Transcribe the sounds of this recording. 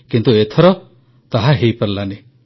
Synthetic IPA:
kint̪uet̪ʰɔɾɔ | t̪aɦaɦejpaɾlane

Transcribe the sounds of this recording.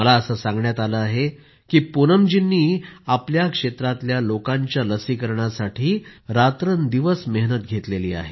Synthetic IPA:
məlaəsəsãŋɡɳjat̪aləaɦe | kiːpunəmd͡ʑinːiːapljakʂet̪ɾat̪ljalokãɲt͡ɕjaləsikəɾɳasaʈʰiːɾat̪ɾənd̪iʋəsmeɦnət̪̚ɡʱet̪leliːa̰ɦe

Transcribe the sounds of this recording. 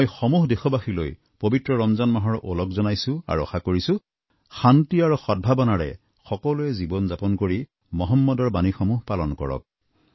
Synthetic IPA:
jxɔmuɦdexɔbaxilo̰j | pobitɹɔɹɔmzanmaɦɔɹʔɔlɔkzɔnajsʊ̃a̰ɹuɔ̰xakoɹisʊ̃ | xantiaɹuxɔd̚bʱabɔnaɹɛ̰ | xɔkɔluɛzibɔnzapɔnkoɹi | mɔɦɔmːɔdɔɹbanixɔmuɦpalɔnkɔ̰ɹɔ̰k̚

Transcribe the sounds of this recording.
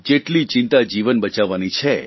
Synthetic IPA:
d͡ʒeʈlit͡ʃɪnt̪ad͡ʒiʋənbət͡ʃaʋːanit͡ʃʰe

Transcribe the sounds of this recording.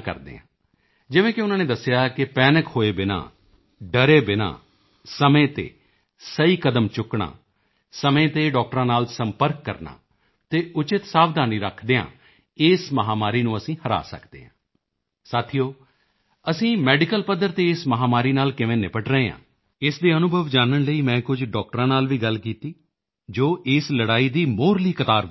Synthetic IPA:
kə̰ɾd̪ḛːã̰ː | d͡ʒɪʋẽːkɪʊnãːneːd̪əsːjaːkɪpɛːnəkhoːeːbɪna̰ː | ɖəɾeːbɪna̰ː | səmẽːt̪ḛː | səiːkəd̪əmt͡ʃʊkɳa̰ː | səmẽːt̪eːɖɔːk̚ʈɾãːnaːlsəmpəɾkːə̰ɾna̰ː | t̪eːʔʊt͡ʃɪt̪saːʋd̪ʱaːniːɾəkʰd̪eːã̰ː | ɪːsməɦaːmaːɾiːnũːəsĩːhəɾa̰ːsə̰kʰd̪ḛːãː | saːt̪ʰijoː | əsĩːmɛːɖɪkəlpəd̪əɾt̪eːɪsməɦaːmaːɾiːnaːlkɪʋẽːnɪpəʈɾəeːã̰ː | ɪsd̪eːənʊbʱəʋd͡ʒaːnəɳləiːmɛ̃ːkʊd͡ʒɖɔːk̚ʈɾãːnaːlʋiːɡəlkiːt̪iː | d͡ʒoːʔɪsləɽaːiːd̪iːmoːɾliːkət̪aːɾ

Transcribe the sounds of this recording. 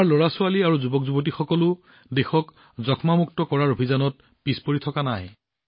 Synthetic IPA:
aɹloɹasʊaliaɹuzubɔkzubɔt̬ixɔkɔlʊ | dexɔk | zɔkʰmamuk̚tɔkɔɹaɹobʱizanɔt̚ | pispoɹitʰɔkanaj

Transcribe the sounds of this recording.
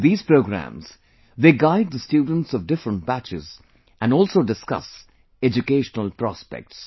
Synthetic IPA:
d̪iːz̥pɾoʊɡɾæ̰̃mz̥ | d̪eːɡaɪɖ̪̚d̪əsʈjuːɖə̃n̩ʈsɔʋɖɪfɾə̃ɳʈ̚bæt͡ʃɪ̰z | ʔæ̃nɖɔːlsoːɖɪskʌ̰s | ɛd͡ʒukeːʃənəlpɾɔspɛ̰k̚ʈs

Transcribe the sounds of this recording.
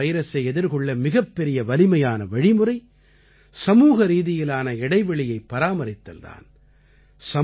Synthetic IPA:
ɐɪɾɐsɐɪɛðɪɾɣɔɭːɐmɪɣɐpːɛɾɪjɐʋɐlɪmɐjaːnɐʋɐɻɪmɯɾɐɪ | sɐmuːɣɐɾiːðɪjɪlaːnɐɛɽɐɪʋɐɭɪjɐɪpːɐɾaːmɐɾɪt̪ːɐ̰lða̰ːn | sɐ

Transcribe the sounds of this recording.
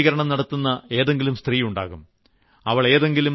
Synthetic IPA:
iɣɐɾɐɳɐmnɐɽɐt̪ːunːɐe̞ːðe̞ŋɡilumst̪riːuɳɖa̰ːɣum | ɐʋɐɭe̞ːðe̞ŋɡilum

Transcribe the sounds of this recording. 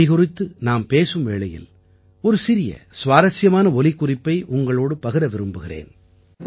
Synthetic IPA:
ɪɣʊrɪt̪ːɯnaːmpeːsɯmʋeːɭɐjɪ̰l | ɔɾɯsɪɾɪjɐ̰sʋaːɾɐsɪjɐmaːnɐɔlɪkːʊrɪpːɐɪʔʊŋɡɐɭoːɽɯpɐɣɪɾɐʋɪɾɯmbɯɣɪrḛːn

